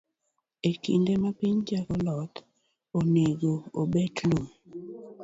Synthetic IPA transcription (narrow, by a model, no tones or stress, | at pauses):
ekḭndemapiɲd͡ʒakɔlɔt̪ | oneɡoo̰betlum